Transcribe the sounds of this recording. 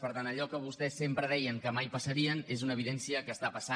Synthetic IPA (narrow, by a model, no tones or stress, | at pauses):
pəɾt̪anəʎɔkəβust̪ɛsːempɾəðɛjəŋkəmajpəsəɾiənezunəːβ̞iðɛnsiəkəːst̪apəsa